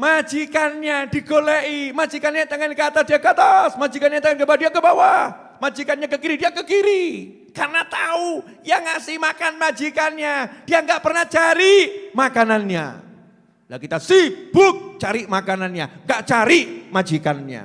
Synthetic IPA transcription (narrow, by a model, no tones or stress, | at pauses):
mad͡ʒikanɲadiɡoleʔimad͡ʒikanɲat̪əŋɛnkat̪asdiakat̪asmad͡ʒikanɲat̪əŋɛnkəbadiakəbawa | mad͡ʒikanɲakəkiɾidiakəkiɾi | karnat̪au | jaŋasɪhmakanmad͡ʒikanɲad̥iaŋɡaʔpərnaht͡ʃaɾimakananɲa̰ | la̰kit̪asib̥ʊk̚t͡ʃaɾimakananɲa̰ŋɡaʔt͡ʃaɾimad͡ʒikanɲa̰